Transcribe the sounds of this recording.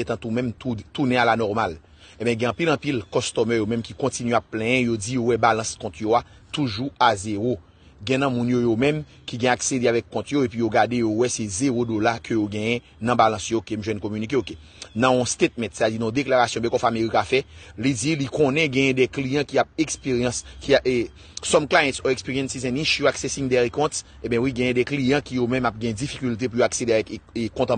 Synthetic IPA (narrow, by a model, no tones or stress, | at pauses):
et̪ɐ̃t̪umɛ̃mtut̪unɛ̃alanɔʁmal | ẽbɛ̃ɡɛ̃ɑ̃pilɐ̃pilkɔst̪ɔmœjomɛ̃mkikɔ̃tinɥɛapːlɛ̃jɛ̃jod͡zijowɛbalɐ̃skɔ̃t̪joa | t̪uʒuazeʁo | ɡɛ̃nɐ̃mũnjojomɛ̃m | kiɡɛ̃aksed̪eavɛkːɔ̃t̪joepɥijoɡad̪ejowɛsɛzeʁodolakøjoɡɛ̃jɛ̃ | nɐ̃balɐ̃sjookemʒwɛnkomynik̬eoke | nãɔ̃st̪et̪̚mɛ̃t̪set̪ad͡zinɔ̃d̪eklaʁasjɔ̃bɛ̃kɔfameʁikafɛlid͡zilikɔ̃nɛ̃ɡɛ̃jɛ̃d̪ɛklijɑ̃kiap̚ekspejɑ̃skiae | sɔmklajɛ̃tsɔekspiʁijɛ̃nsizɛ̃nĩʃjuaksɛsĩŋd̪ɛʁikɔ̃t̪ | ẽbɛ̃wiɡɛ̃jɛ̃dɛklijɑ̃kijomɛ̃map̚ɡɛ̃jɛ̃d͡zifikylt̪̬ep̬ujoaksedeavɛkkɔ̃t̪ã